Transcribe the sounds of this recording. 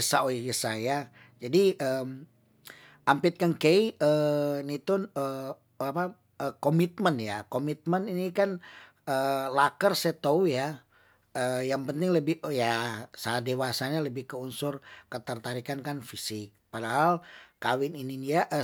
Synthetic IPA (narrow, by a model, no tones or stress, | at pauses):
əsaoɡəsaja | d͡ʒadiəm | ʔampɪt̪̚kankejənit̪ʊnə | apa | əkomit̪̚mənjakomit̪̚məninikan | əlakərset̪ouja | əjaŋpənt̪ɪŋləbɪjasaadewasaɲaləbɪhkəunsʊrkət̪ərt̪aɾikankanfisɪk̚padaɦalkawɪnininiaʔə